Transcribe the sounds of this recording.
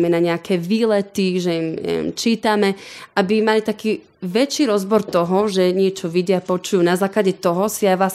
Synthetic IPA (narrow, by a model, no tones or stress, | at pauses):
mɛnaɲɛakʰɛʋiːlɛt̪iʒɛjimɛ̰mt͡ʃiːt̪amɛʔabimalit̪akiː | ʋɛt͡ʃiɾɔzbɔɾt̪ɔɦɔʒɛɲɪɛt͡ʃɔʋiɟɪapɔt͡ʃujuːnazaːklaɟɛt̪ɔɦɔsiajʋlas